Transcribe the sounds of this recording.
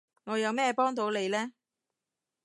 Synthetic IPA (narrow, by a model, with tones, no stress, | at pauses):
ŋɔː˨˧jɐ˨˧wmɛː˥˧pɔː˥ŋt̪o˨˥wle˨˧jlɛː˥